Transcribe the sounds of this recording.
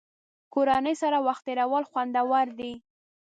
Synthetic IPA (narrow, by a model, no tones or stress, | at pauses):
koɾanəjsaɾawaxt̪eɾawəlxwand̪awaɾd̪i